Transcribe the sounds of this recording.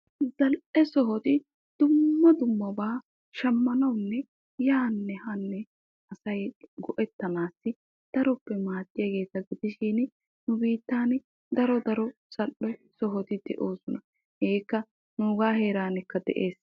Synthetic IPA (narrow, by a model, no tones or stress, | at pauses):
zɐlʔɛsɔɦɔt̪ɪ | d̪̥ʊmːɐd̪ʊmːɐbaː | ʃɐmːɐnɐwnːɛ | jaːnːɛhɐnːɛ | ɐsɐjɡɔʔɛt̪ːɐnaːsːɪ | d̪̥ɐɾɔpːɛmaːt̪ːɪjɐɡe̞ːt̪ɐɡɪd̪ɪʃɪn | nʊbiːt̪ːaːn | d̪ɐɾɔd̪ɐɾɔsɐʔɔsɔɦɔt̪ɪd̪̥ɛʔoːsɔnɐ | heːkːɐ | nʊʊɡaːhe̞ːɾaːnɛkːɐd̪ɛ̰ʔe̞ːs